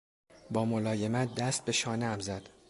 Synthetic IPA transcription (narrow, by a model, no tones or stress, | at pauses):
bɒːmolɒːje̞mæt̪̚d̪æst̪̚be̞ʃɒːneæmzæd̪̥